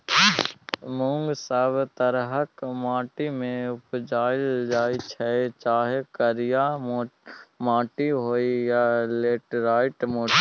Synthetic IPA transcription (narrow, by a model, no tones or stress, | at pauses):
mʊ̃ŋɡsəbt̪əɾɦəkmãːʈimẽʊpd͡ʒaːɪld͡ʒaːit͡ʃʰɛt͡ʃaːɦekəɾja | mãːʈiɦoːijaleːʈɾaːɪʈmoː